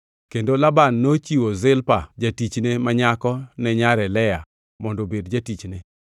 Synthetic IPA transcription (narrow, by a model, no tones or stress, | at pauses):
kendolabanːot͡ʃiwozɪlpad͡ʒatit͡ʃnemaɲakɔnɛɲaɾɛlɛja | mɔndobedd͡ʒatit͡ʃne